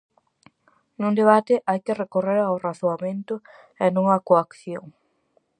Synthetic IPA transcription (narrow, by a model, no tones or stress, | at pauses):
nũnd̪eβat̪ɪʔajkɪrekoreɾawraθoamẽnt̪ʊ | ɛnũŋɐkoakθjoŋ